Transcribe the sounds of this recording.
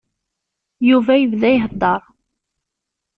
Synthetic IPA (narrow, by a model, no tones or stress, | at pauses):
juvæjəvðæjɦəd̪ˤːɑɾˤ